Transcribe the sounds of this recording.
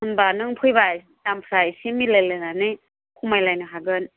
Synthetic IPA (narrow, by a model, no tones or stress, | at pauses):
hɯnbanɯŋpʰɯjbaj | tampʰɾajsimilejlɯnanɯj | kʰumajlajnɯɦaɡɯn